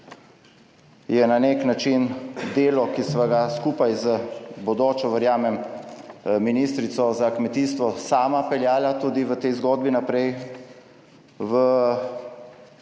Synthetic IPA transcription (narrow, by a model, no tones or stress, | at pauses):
jɛnaneknat͡ʃind̪eːlɔkisʋaɡaskuːpajzəbɔd̪oːt͡ʃɔʋəɾjaːmɛm | miniːst̪ɾit̪sɔzakmɛt̪iːst̪ʋɔsaːmapɛljaːlat̪uːd̪iʋət̪ɛjzɡoːd̪̚binapɾɛj | ʋə